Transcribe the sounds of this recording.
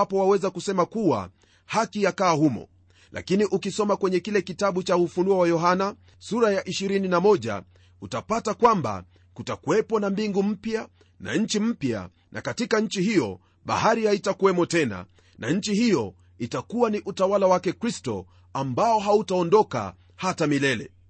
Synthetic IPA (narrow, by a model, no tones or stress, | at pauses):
pɔwawɛzakusɛmakuwa̰ | hakijakaːhumɔ̰ | lʔa̰kiniʔukisɔmakwɛɲɛkilɛkitaɓut͡ʃaufunuawajɔɦana | suɾajaʔiʃiɾininamɔʄa̰ | utapatakwamba̰ | kutakuwɛpɔnambiŋɡum̩pja | na̰ɲ̩t͡ʃim̩pja̰ | nʔa̰katikaɲ̩t͡ʃiɦijɔ̰ | ɓa̰haɾihaitakuwɛmɔtɛna̰ | na̰ɲ̩t͡ʃihijɔ | itakuwaniʔutawalawakɛkɾistɔ̰ | ambaɔɦautaɔndɔka̰ | hatamilɛlɛ̰